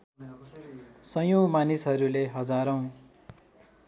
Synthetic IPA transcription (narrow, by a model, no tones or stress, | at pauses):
sʌjomanisɦʌɾuleɦʌd͡zaɾʌw̃